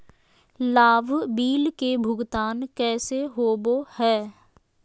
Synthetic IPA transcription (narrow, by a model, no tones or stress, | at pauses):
laːʋbiːlkebʱʊɡt̪aːnkɛːseɦoːbohɛː